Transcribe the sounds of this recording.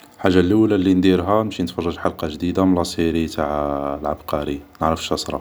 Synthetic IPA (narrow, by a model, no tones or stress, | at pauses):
ħaʒːalulælind̪iɾɦæmʃinət̪fɑrˤːɑʒħalqɑʒd̪id̪amlɑsˤiɾit̪aʕlʕabqɑɾinəʕɾəfʃɑsˤɾˤɑ̰